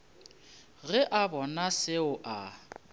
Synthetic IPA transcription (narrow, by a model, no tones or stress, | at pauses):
ɣɛʔabɔnasɪʊʔa